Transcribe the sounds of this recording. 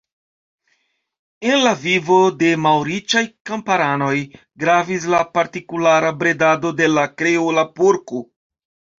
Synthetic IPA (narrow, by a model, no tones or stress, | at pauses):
e̞nlavivo̞de̞mawɾit͡ʃajkampaɾano̞j | ɡɾavis̬lapaɾtikulaɾabɾe̞dado̞de̞lakɾeolapuɾko